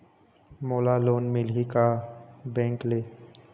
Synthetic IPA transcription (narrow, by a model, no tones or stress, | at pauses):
moːlaloːnmɪlɦikabɛ̃ːŋkleː